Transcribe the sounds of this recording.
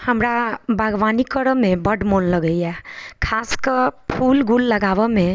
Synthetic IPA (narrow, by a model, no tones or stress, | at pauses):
həmɾabʱəɡʋanikəɾəmẽbəɖmonləɡəjɛkʰaskəɾpʰulɡulːəɡaʋəmẽ